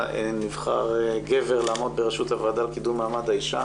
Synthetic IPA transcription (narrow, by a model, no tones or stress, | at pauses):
enivχa̰ʁɡeve̞ʁlaːmo̞d̪̚beʁeʃut̪havad̪alkid̪umːaːmad̪haiʃa